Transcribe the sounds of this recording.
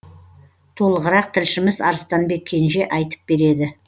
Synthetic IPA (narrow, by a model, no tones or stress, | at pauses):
t̪ʰo̞lˠəʁəɾɑq̚t̪ʰɪlʃɪmɪzɑ̰ɾəst̪ɑnbe̞kʲʰːe̞nʃe̞ʔɑjt̪ə̥p̚b̥e̞ɾe̞d̪ɪ